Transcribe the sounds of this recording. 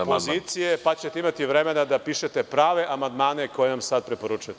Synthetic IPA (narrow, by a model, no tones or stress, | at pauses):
poziːt̪sijepat͡ɕet̪eimat̪iʋɾe̞me̞nad̪apiːʃet̪e̞pɾaːʋe̞ʔamand̪maːneko̞jenamsad̪̚pɾepo̞ɾut͡ʃujt̪